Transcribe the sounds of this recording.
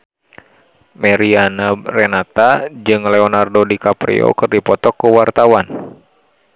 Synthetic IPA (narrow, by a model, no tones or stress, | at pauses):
mɛɾianarɛnat̪ad͡ʒɨŋlɛɔnardodikapɾḭo̰kɨrdipɔt̪ɔkəwart̪awan